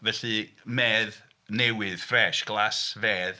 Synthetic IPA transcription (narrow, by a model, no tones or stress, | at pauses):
vɛɬɨmeːð | nɛwɪð̥frɛːʃɡ̥lasveːð